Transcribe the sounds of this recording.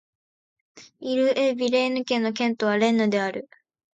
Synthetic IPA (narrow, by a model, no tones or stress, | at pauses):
iɾɯ̟ʔebʲiɾe̞ːnɯ̟kẽ̞nːo̞k̬ẽ̞nt̪o̞β̞aɾẽ̞nːod̪e̞aɾɯ̟